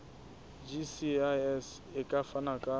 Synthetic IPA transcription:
d͡ʒisiaɛs | ɪkʼafanakʼa

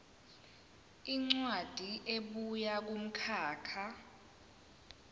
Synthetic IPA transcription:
iŋ͡ǀwad̥ʱiʔeɓujak̬um̩kʰaːkʰa

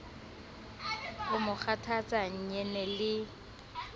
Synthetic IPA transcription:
ʊmʊk͡xʰatʰat͡sʼaɲ̩ɲɛnɛlɪ

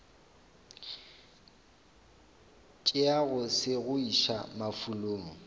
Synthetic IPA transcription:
t͡ʃʼɪaɣʊsɪɣʊiʃa̰mafuloːŋɔ

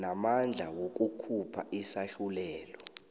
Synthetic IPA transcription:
namand͡ɮʱawok̬ʼukʰupʰaʔisaɬulɛːlɔ

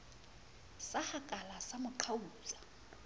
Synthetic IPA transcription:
sahakʼalasamʊǃʰauːɮa

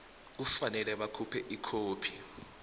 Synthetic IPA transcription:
k̬ufanɛlɛɓakʰupʰɛʔikʰoːpʰi̥

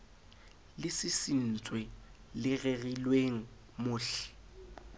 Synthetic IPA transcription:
lɪsɪsin̩t͡sʼwɛ | lɪɣeɣilweŋ̩ | mʊːɬɛ̥

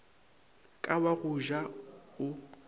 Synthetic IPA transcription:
kʼawaɣʊʒaʊ

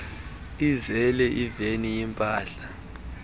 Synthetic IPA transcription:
izɛlɛʔivenijimpʼaːɬa

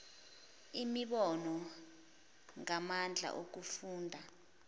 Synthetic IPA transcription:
imiɓɔnɔ | ŋamand͡ɮʱa̰ʔok̬ufuːndʱa

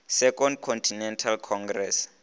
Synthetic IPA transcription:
sɛkʼɔndkʰɔntʰinɛntʰalkʰɔŋɡrɛs

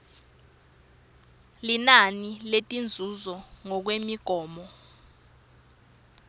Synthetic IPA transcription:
linaniletʼind͡zʱuzɔŋɔk̬wemiɡ̥ʱɔːmɔ

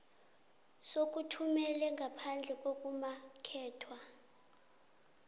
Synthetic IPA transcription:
sok̬ʼutʰumɛlɛŋɡʱapʰand͡ɮʱɛk̬ʼok̬ʼumakʰɛːtʰwa

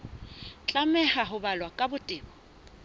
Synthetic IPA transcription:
t͡ɬʼamɛhaɦʊbalwakʼabʊtʼɪːbɔ

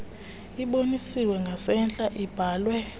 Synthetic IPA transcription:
iɓonisiwɛŋɡʱasɛnt͡ɬʼaʔib̥ʱaːlwɛ

